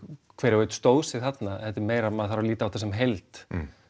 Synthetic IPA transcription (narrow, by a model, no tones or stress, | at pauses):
kʰvɛːɾɪvejt̪ʏ̥st̪oːwsɪθat̪naθɛt̪ːɪɾmeːjɾamaðθaɾawliːt̪awt̪ʰasɛmɦejlt̪